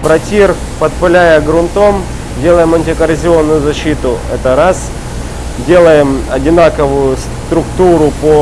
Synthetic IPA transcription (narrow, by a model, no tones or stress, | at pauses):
pɾɐtʲir | pɐt̪̚pɐlʲæjəɡɾʊnt̪o̞m | dʲe̞lˠəjɪmɐnʲtʲɪkɐɾʲɪzʲɪo̞nːʊjʊzɐɕːit̪ʊɛ̰t̪əɾas | dʲe̞lˠəjɪmɐdʲɪnakəvʊjʊst̪ɾʊkt̪uɾʊpo